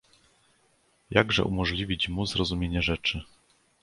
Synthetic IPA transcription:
jaɡʐɛ̰ʔumɔʐlʲivʲit͡ɕmuzɾɔzumʲjeɲɛʐɛt͡ʂɘ

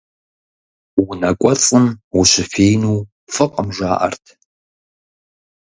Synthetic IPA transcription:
wʊnɐkʷʼɔt͡sʼɨmwʊɕɪfeːjnuː | fɨqʼəmʒaːʔɐ̰rtʰ

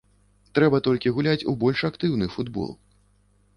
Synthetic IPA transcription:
t̪ɾɛbɐt̪ɔlʲkʲiɣulʲat͡sʲubɔlʲʂakt̪ɨwnɨfud̪bɔ̰lˠ

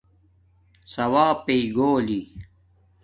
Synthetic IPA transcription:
sɐwaːpeɡoːli

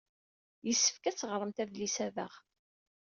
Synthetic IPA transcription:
jəsːə̥fkæt͡sːəʁɾˤəmt̪ævlisævə̰ʁ

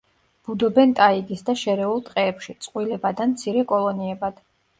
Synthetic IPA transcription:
b̥ud̪ɔbɛnt̪ʼaiɡisd̪aʃɛɾɛulˠt̪ʼqʼɛːpʃit̪sʼqʼwilɛbad̪amt̪sʰiɾɛkʼɔlˠɔniɛbad̪̥

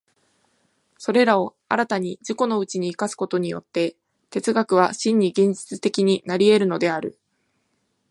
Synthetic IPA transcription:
so̞ɾe̞ɾao̞ | a̰ɾat̪aɲ̟id͡ʑiko̞no̞ɯ̟t͡ɕiɲ̟iːkasɨ̥ko̞t̪o̞ɲ̟ijo̞̰t̪ːe̞ | t̪e̞t͡sɨɡakɯ̟β̞aɕĩɲ̟ːiɡẽ̞ɲ̟d͡ʑi̥t͡sɨt̪e̞kʲiɲ̟inaɾʲie̞ɾɯ̟no̞d̪e̞aɾɯ̟

